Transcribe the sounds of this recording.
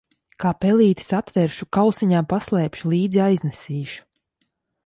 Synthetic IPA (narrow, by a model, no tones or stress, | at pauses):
kaːpɛliːt̪i̥sat̪vɛɾʃukawsiɲaːpaslˠɛːpʃulˠiːd̪ziajznɛsiːʃu̥